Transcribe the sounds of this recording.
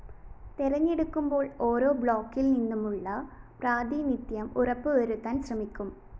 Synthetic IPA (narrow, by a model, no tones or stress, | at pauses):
t̪irɐɲːeɽukːumbo̞ːɭo̞ːɾo̞ːbɭo̞ːkːilninːumuɭːɐpraːd̪iːnit̪jɐmurɐpːɨʋɐɾut̪ːaːnɕrɐmikʲːum